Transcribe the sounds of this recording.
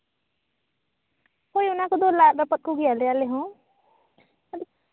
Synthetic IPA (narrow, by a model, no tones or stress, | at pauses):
koːiʊnãkod̪olaːɾəpət̪̚koɡialealeɦõ | əd̪